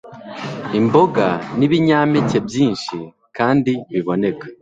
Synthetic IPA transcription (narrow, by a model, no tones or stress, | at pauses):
imbo̞ɡaniβiɲaːmece̞bjiːnʃi | kaːndiβiβo̞ne̞kḁ